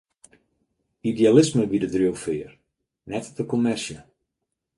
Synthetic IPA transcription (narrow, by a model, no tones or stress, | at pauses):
idealɪsməʋidədrowfɪːər | nɛtdəkomɛrsjə